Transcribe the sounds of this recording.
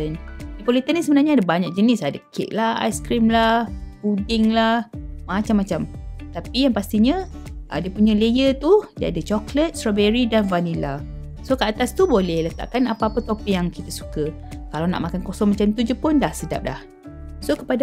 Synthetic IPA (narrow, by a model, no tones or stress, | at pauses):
əndipolit̪ənːisəbənarɲaadabaɲak̚d͡ʒənɪsadakʰḛʔ̚laha̰jskɾimlahbudɪŋlahmat͡ʃamːat͡ʃamt̪apijaŋpast̪iɲaʔə̰diəpuɲãlejət̪udia̰dat͡ʃɔklət̪̚sɾabeɾidanvanila | sokəat̪ast̪ubolɛhlət̪a̰ʔkanapaapət̪opɪkjaŋkit̪asu̥kə | kalawna̰ʔmakankosɔŋmat͡ʃamt̪ud͡ʒupʊnlahsəda̰p̚la̰h | sokəpada